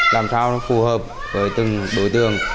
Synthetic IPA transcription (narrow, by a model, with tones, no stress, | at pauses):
laː˨˩msaː˧wfu˧˩həː˨˩p̚ | vəː˨˦jt̪ɨ˨˩ŋɗo˨˦jt̪ɨ˨˩əŋ